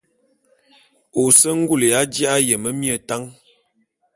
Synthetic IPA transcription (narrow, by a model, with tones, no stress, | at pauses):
o˨sə˦ŋ̩˦ɡu˦˨le˨ja˦d͡ʒja˦ʔa˦jə˨mə˦mjə˨ta˦ŋ